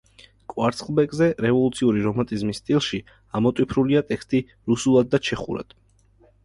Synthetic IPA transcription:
kʼwaɾt̪sʰχlˠbɛkʼzɛɾɛvɔlˠut̪sʰiuɾiɾɔmant̪ʼizmist̪ʼilˠʃi | amɔt̪ʼwipʰɾuliat̪ʼɛkst̪ʼi | ɾusulˠad̪̚ːat͡ʃʰɛχṵɾa̰d̪̥

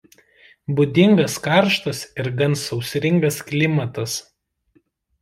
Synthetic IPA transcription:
bʊd̪ʲɪŋɡɐskɑˑɾʃt̪ɐsɪɾɡɐnsɒʊsʲɾʲɪŋɡɐsklʲɪmɐt̪ɐs

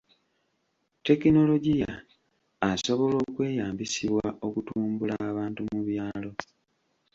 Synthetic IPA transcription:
te̞kino̞lo̞ɟijaː | so̞βo̞lo̞ːkwe̞ːjaːmbisiβwao̞kutuːmbulaːβaːntumuβjaːlo̞

